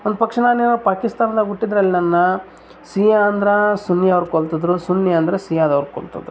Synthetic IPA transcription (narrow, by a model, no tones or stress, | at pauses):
ond̪upɐkʂɐnaːneːnopaːkist̪aːnɐd̪ɐɡuʈːid̪ɾɐlːinɐnːɐ | siːjaɐnd̪ɐɾɐsunːjɐɐʋɐɾkoɭt̪ɐd̪ɾusunjɐɐnd̪ɾesijaːd̪ɐʋɐɾko̰ɭt̪ɐ̰d̪ɾu